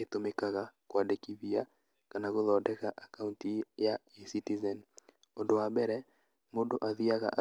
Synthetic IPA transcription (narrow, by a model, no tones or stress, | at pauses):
etomekaɣakwadɛkivia | kanaɣoðɔdɛkaʔakauntijaesitizɛn | ɔdoabɛɾɛ | modoʔaðiaɣa̰ʔa